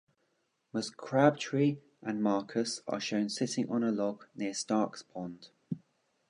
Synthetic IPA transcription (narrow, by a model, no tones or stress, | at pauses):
məskʰɹ̥ab̥̚tʰɹ̥iː | ʔə̃nmɑˑkʰəsə̰ʃə̃ʊ̃nsɪtɪ̃ŋʔə̃nəlɒɡnɪəstɑˑkspʰɒ̃nd̥